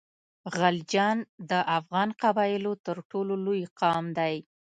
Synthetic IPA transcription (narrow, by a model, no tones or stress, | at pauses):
ɣald͡ʒɑnd̪əʔafɣɑnqabɑjɪlot̪əɾʈololojqɑmd̪aj